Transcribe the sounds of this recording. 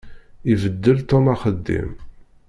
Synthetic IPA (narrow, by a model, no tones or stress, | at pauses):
ivəd̪ːəlt̪omɑχəd̪ːḭm